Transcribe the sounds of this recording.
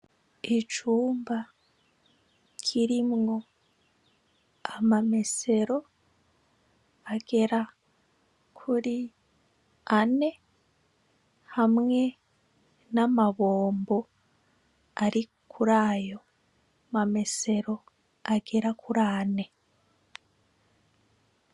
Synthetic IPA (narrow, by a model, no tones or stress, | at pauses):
it͡ʃuːmba | kʰiɾimŋo̞ | amame̞se̞ɾo̞ | aɡ̥e̞ɾa | kʰuɾi | ane̞ | hamŋe̞ | namaβoːmbo̞ | aɾi | kʰuɾaːjo̞ | mame̞se̞ɾo̞ | aɡe̞ɾakʰuɾaːne̞